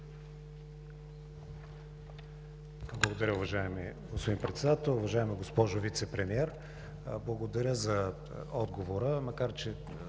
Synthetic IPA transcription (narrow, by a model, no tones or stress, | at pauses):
blˠɐɡod̪ɐɾʲəʊvɐʒaɛmiɡospod̪inpɾɛt̪sɛd̪at̪ɛlˠʊvɐʒaɛmiɡospɔʒovit̪sɛpɾɛmiɛɾ | blˠɐɡod̪ɐɾʲəzɐ | ɔd̪ɡovoɾəmɐkaɾt͡ʃɛ